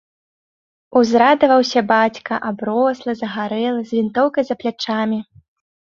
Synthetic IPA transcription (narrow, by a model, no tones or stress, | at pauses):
uzɾad̪ɐvɐwsʲɐbat͡sʲkɐʔabɾɔslˠɐzɐɣaɾɛlˠɐzʲvʲint̪ɔwkɐjzɐplʲat͡ʂamʲi